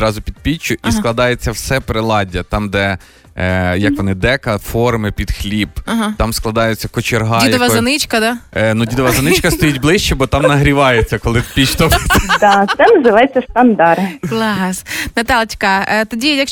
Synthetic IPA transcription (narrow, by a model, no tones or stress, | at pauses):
ɾɑzʊpʲid̪̚pʲit͡ʃːʊʔisklˠɐd̪ɑjet͡sʲːɐwsɛpɾɪlˠɑdʲɐt̪ɑmd̪ɛ | jɐkʋɔnɪd̪ɛkɐfɔrmɪpʲid̪xlʲibt̪ɑmsklˠɐd̪ɑjʊt͡sʲːɐkɔt͡ʃerɦɑdijd̪ʋɐɐnɪt͡ʃkɐd̪ɑnudʲid̪ɐʋɐzɐnɪt͡ʃkɐst̪ɔjitʲblˠɪʃt͡ʃɛbɔt̪ɑmnɐɦɾʲiʋɑjet͡sʲːɐkɔlˠɪpʲit͡ʃt̪ɔpt̪d̪ɑt̪ɛnɐzɪʋajt͡sʲːɐst̪ɐnd̪ɑɾklˠɑsnɐt̪ɑlˠtʲkɐt̪ɔdʲijɐk